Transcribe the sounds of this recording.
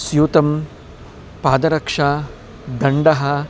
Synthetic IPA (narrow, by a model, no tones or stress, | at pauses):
sjuːt̪ɐm | paːd̪ɐɾɐkʂaː | d̪ɐɳɖɐɦɐ̆